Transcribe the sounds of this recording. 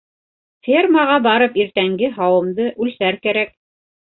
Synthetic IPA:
fʲerməʁɑbɑɾɤpiɾt̪æŋɡɘɦɑwɤ̆md̪ɤʔʉlsæɾkæɾæk̚

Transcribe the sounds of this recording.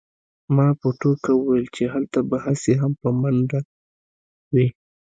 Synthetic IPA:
mɑpəʈokawʊwelt͡ʃeɦalt̪abahaseɦampəmanɖa | wi

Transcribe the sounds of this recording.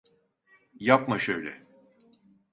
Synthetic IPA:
japmaʃøjlʲɛ̰

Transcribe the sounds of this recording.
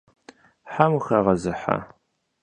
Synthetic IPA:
ħamuxɐʁɐzɨħa̰

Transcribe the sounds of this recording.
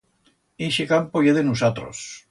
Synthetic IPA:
iʃikampojeðenusat̪ɾo̰s

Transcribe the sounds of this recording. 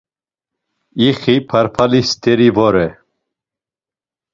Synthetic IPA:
iχipʰaɾpʰalist̪ɛɾivɔɾɛ

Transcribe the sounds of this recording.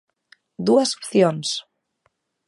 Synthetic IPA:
d̪uəzu̥pθions

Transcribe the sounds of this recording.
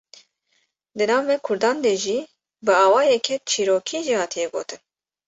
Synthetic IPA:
d̪ɨnɑːvːɛkʰʊɾd̪ɑːnd̪eːʒiː | bɨɑːwɑːjɛkʰɛt͡ʃʰiːɾoːkʰiːʒiːhɑːt̪ʰijɛɡo̰ːt̪ʰɨn

